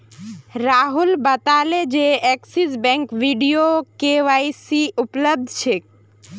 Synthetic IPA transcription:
ɾaɦulbət̪aled͡ʒeɛksisbɛ̃ŋkʋiɖijokeʋaisiʔupləb̚d̪ʱt͡ʃʰe

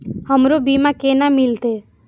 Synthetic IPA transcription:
həmɾobimãkeːnamɪlt̪e

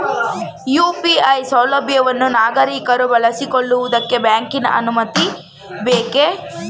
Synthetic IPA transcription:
juːpiɐjsɐːlɐbjɐʋɐnːunaːɡɐɾiːkɐɾubɐɭɐsikoɭːuʋud̪ɐkːe̞bjaːŋkinɐ̰ʔɐnumɐt̪i | beːke

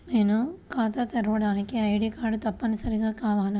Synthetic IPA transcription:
neːnukaːt̪ɐt̪ɐɾɐʋɽaːnikːiɐjɽikaːɽut̪ɐpːɐnusɐɾiɡaːkaːʋaːnu

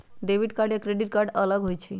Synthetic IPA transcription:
ɖebʱiʈkaɾɖjakɾeɖiʈkaɾɖələɡɦojt͡ɕʰi

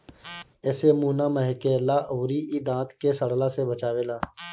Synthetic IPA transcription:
ɛːsemuːnaməɦkeːlaʔoːɾiʔid̪ãːt̪kesəɽ̤lasebət͡ʃaːweːlaː

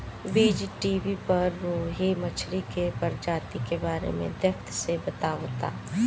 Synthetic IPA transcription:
biːd͡ʒʈiːbipɐɾʋoɦemɐt͡ʃʰɾikepɐɾd͡ʒaːt̪ikebaːɾḛmḛ̃d̪ɐkt̪ʰsebɐt̪aːot̪a̰ː

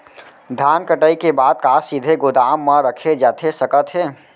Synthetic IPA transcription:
d̪ʱaːnkəʈəikebaːd̪̚kaːsɪd̪ʱeɡʊd̪aːmːãɾəkʰed͡ʒaːt̪ʰesəkət̪ɦɛː

